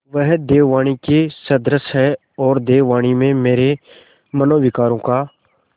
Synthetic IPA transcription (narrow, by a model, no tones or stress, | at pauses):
ʋəɦd̪eːʋaːɽ̃ikesəd̪ɾəsɦɛː | ɔːɾd̪eːʋaːɽ̃iːmẽːmeːɾeː | mənoːʋɪkaːɾõːkaː